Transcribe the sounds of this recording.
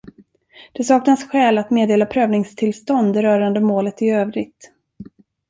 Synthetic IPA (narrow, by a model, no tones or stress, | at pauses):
d̪̥ɛsɑːknasɧɛːlat̪meːd̪eːlapʰɾøːvnɪŋst̪ʰɪlst̪ɔnd̪ɛɾœːɾand̪əmoːlət̪ɪøːvɾɪɡ̚t̪